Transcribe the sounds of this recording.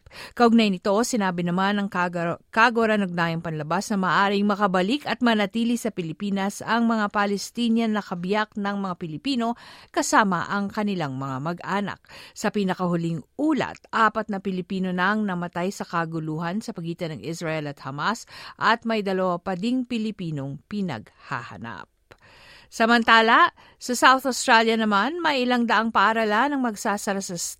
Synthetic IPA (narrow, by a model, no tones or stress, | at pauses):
kɐʔʊɡ̚najnɪt̪o̞sɪnaːbɪnɐmanɐŋkaɡoɾanoɡ̚najɐŋpɐnlɐbasnɐmɐːʔaːɾɪŋmɐkɐbɐlikɐt̪̚mɐnɐt̪iːlɪsɐpɪlɪpiːnɐsɐŋmɐŋapalɛst̪iːnjɐnːɐkɐbjak̚nɐŋmɐŋapɪlɪpiːno̞kɐsaːmɐ̰ʔɐŋkɐnɪlaŋmɐŋamɐɡʔaːnɐ̰k̚sɐpiːnɐkɐhʊliŋʔuːlɐ̰t̪̚ʔaːpɐt̪̚nɐpɪlɪpiːno̞nɐŋnɐmɐt̪ajsɐkɐɡʊluːɦɐnsɐpɐɡiːt̪ɐnɐŋʔɪsɹɐʔɛlɐt̪̚hɐmasʔɐt̪̚mɐjd̪ɐlɐwapɐd̪iŋpɪlɪpiːno̞ŋpɪnɐ̰ɡ | ha̰hɐ̰na̰p̚ | sɐmɐnt̪aːlɐ | sɐsawθost̪ɾaljɐnɐmanmɐjʔɪlaŋd̪ɐʔaŋpɐʔaɾalanɐŋmɐɡsaːsɐɾasɐ